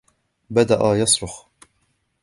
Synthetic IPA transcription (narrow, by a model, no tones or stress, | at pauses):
bad̪aʔajɑsˤɾʊx